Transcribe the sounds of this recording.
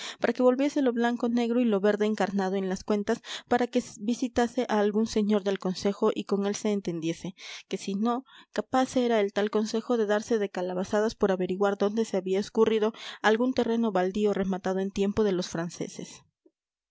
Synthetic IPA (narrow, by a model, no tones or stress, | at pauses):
paɾʔake̞βo̞lβje̞se̞lo̞βlaŋko̞ne̞ɣɾo̞ilo̞βe̞ɾðe̞ːŋkaɾnað̞o̞e̞nlaskwe̞nt̪aspaɾake̞bisit̪ase̞ʔaːlɣunse̞ɲo̞ɾðe̞lko̞nse̞xo̞ʔiko̞ŋe̞lse̞ːnt̪e̞nd̪je̞se̞ke̞sino̞kapaseɾae̞lt̪alko̞nse̞xo̞ðe̞ðaɾse̞ðe̞kalaβasaðaspo̞ɾaβe̞ɾiɣwaɾðo̞nd̪e̞se̞aβiaeskurið̞o̞alɣunt̪e̞re̞no̞βald̪io̞re̞mat̪að̞o̞e̞nt̪je̞mpo̞ð̞e̞lo̞sfɾanse̞̰se̞̰s